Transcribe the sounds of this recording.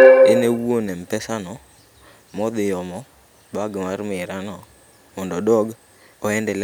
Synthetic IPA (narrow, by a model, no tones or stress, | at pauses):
ɪnewuonɛm̩pɛsanɔ | mɔd̪ɪjɔmɔ | baɡmaɾmɪɾanɔ | mɔndɔdɔɡ | ɔɛndɛl